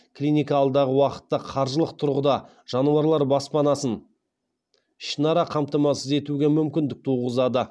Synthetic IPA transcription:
klʲijnʲijkɑːlˠd̪ɑʁəwɑqə̥t̪ːɑqʰɑɾʒəlˠəq̚t̪ʰʊɾʁəd̪ɑ | ʒ̥ɑnuɑɾlˠɑɾbɑspɑnɑsən | ʃənɑɾɑqʰɑmt̪əmɑsəze̞t̪uɡʲemʏmkʲɪnd̪ɪk̚t̪ʰuʁəzɑd̪ə

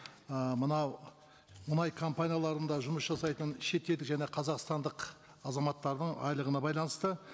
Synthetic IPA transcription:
əmənɑw | mʊnɑjkʰompanʲijalˠɑɾənd̪ɑʒʊməsʒɑsɑjt̪ənʃe̞t̪ːed̪ɪkʒæne̞qʰɑzɑqst̪ɑnd̪əq | ɑzɑmɑt̪ːɑɾd̪əɴɑ̰jlˠəʁənɑbɑjlˠɑnəst̪ə

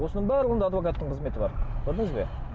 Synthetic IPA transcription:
wo̞sənəɴbæɾɪwond̪ɑad̪vo̞kat̪ːəɴqʰəzme̞t̪ɪbɑɾqʰʊɾd̪əŋəzbe̞

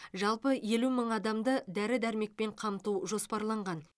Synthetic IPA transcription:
ʒɑlˠpəje̞luməɴɑd̪ɑmd̪əd̪æɾɪd̪æɾme̞k̚pe̞ɴqʰɑmt̪uʒo̞spɑɾlˠɑɴʁɑn

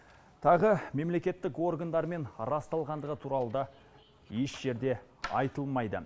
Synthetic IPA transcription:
t̪ʰɑʁəme̞mle̞kʲe̞t̪ːɪko̞rɡand̪ɑɾme̞nɾɑst̪ɑlˠʁɑnd̪əʁət̪ʰuɾɑlˠəd̪ɑ | jeʃʒ̥e̞ɾd̪e̞ɑ̰jt̪əlˠmɑjd̪ə̰

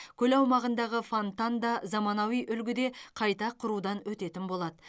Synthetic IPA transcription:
kʲʰɵlɑwmɑʁənd̪ɑʁəfont̪and̪ɑzɑmɑnɑwijʔʏlɡʲɪd̪e̞qʰɑjt̪ɑqʰʊɾud̪ɑnwɵt̪e̞t̪ɪnbo̞lˠɑd̪ə

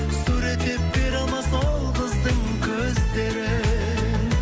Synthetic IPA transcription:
suɾe̞t̪ːe̞p̚be̞ɾɑlˠmɑsɑlˠd̪əzd̪əŋkʲʰɵzd̪e̞ɾɪ

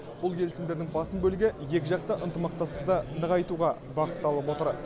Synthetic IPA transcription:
bʊlˠkʰʲe̞lɪsɪnd̪e̞ɾd̪ɪŋbɑsəmbɵlɪɡʲɪje̞kʲɪʒɑqt̪əʔənt̪əmɑq̚t̪ɑst̪ə̥q̚t̪ɑnəʁɑjt̪uʁɑ | bɑqət̪ːɑlˠəpwo̞t̪əɾ

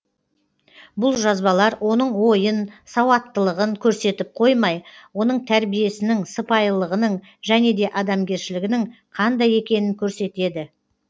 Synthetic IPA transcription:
bʊlˠʒɑzbɑlˠɑɾwo̞nəɴwo̞jənsɑwɑt̪ːəlˠəʁəŋkʲʰɵɾse̞t̪ɪp̚qʰo̞jmɑjwo̞nəɴt̪ʰæɾbije̞sɪnɪŋsəpɑjlˠəʁənəɴ | ʒæne̞d̪e̞ʔɑd̪ɑmɡʲe̞ɾʃɪlɪɡʲɪnɪŋqʰɑnd̪ɑje̞kʲe̞nɪŋkʲʰɵɾse̞t̪e̞d̪ɪ

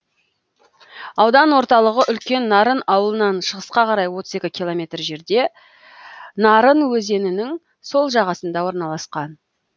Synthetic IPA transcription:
ɑwd̪ɑnwo̞ɾt̪ɑlˠəʁəʔʏlkʲe̞nːɑɾənɑwəlˠənɑnʃəʁəsqɑqʰɑɾɑjwo̞t̪ə̥ze̞kʲɪkʲʰilˠo̞mʲe̞t̪rʒe̞ɾd̪e̞ | nɑɾənwɵze̞nɪnɪŋ | so̞lˠʒɑʁɑsənd̪ɑwo̞ɾnɑlˠɑsqɑn

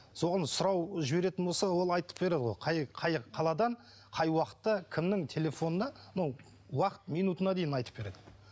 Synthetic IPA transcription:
so̞ʁɑnsʊɾɑwʒɪbe̞ɾe̞t̪ɪnbolsɑwo̞lˠɑjt̪əp̚be̞ɾe̞d̪əʁojqʰɑjqʰɑjqʰɑlˠɑd̪ɑɴ | qʰɑjwɑqə̥t̪ːɑkʲʰɪmnɪŋt̪ʰe̞le̞fo̞nənɑnow | wɑqə̥t̪mijnut̪ənɑd̪e̞jɪnɑjt̪ə̥p̚be̞ɾe̞d̪ɪ

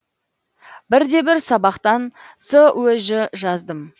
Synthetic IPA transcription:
bɪɾd̪e̞bɪɾsɑbɑqt̪ɑnsəwɵʒɪʒɑzd̪əm

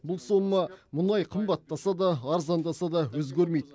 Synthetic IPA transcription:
bʊlˠso̞mːəmʊnɑjqʰəmbɑt̪ːɑsɑd̪ɑːɾzɑnd̪ɑsɑd̪ɑwɵzɡʲeɾmejd̪ɪ

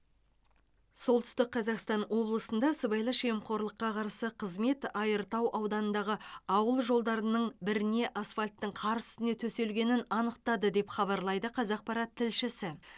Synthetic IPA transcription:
so̞lˠt̪ʏ̥st̪ɪk̚qʰːɑzɑqst̪ɑnwo̞blˠəsənd̪ɑsəbɑjlˠəʃemqʰo̞ɾlˠəqːɑqʰɑɾsəqʰəzme̞t̪ɑjəɾt̪ɑwʔɑwd̪ɑnənd̪ɑʁəɑwəlˠʒo̞lˠd̪ɑɾənəɴbɪɾɪne̞ʔasfalʲt̪ːəɴqʰɑɾzsʏst̪ɪne̞t̪ʰɵse̞lɡʲe̞nɪnɑnəqt̪ɑd̪əd̪e̞pχɑβɑɾlˠɑjd̪əqʰɑzɑq̚pɑɾɑt̪ʰːɪlʃɪsɪ

